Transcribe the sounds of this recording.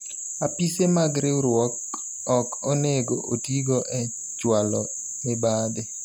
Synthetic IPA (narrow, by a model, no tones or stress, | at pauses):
apisemaɡɾɪuɾwɔk̚ | ɔkoneɡoʔotiɡoʔɛ | t͡ʃwalɔ | nɪbade